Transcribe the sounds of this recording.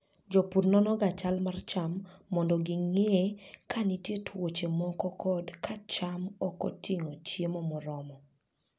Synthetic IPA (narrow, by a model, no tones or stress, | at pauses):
d͡ʒɔpuɾnɔnɔɡat͡ʃalmart͡ʃamːɔndɔɡɪŋeekʰanitjetʰwot͡ʃemɔkɔkʰɔdkʰat͡ʃamɔkɔ̰tʰiŋot͡ʃjemɔmɔɾɔmɔ